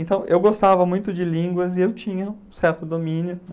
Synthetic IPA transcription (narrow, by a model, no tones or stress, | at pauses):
ẽnt̪ɐ̃w̃ʔewɡost̪avɐmũj̃t̪ʊd͡ʒɪlĩɡwɐzɪewt͡ʃĩɲɐũsɛɾt̪ʊd̪omĩnjʊ